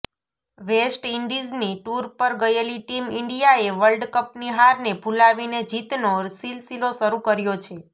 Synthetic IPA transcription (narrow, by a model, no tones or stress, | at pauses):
ʋesʈiɳɖizniʈuɾpəɾɡəjeliʈimɪɳɖijaeʋəlɖkəpniɦaɾnebʱulaʋined͡ʒit̪nosilsiloʃəɾukəɾjot͡ʃʰe